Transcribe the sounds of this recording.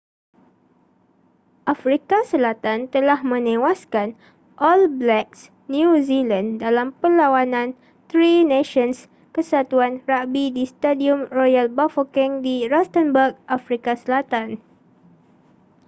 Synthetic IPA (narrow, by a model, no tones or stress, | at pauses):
ʔafɾikasəlat̪ant̪əlahmə̃nẽwaskan | ʔɔlblɛks | njuzilãndalampəlawanãn | t̪ɾinẽʃɔns | kəsat̪uanrabidist̪adiumrɔjalbafokɛ̃ŋdiɾast̪ənbəɡ̚ʔafɾikasəlat̪an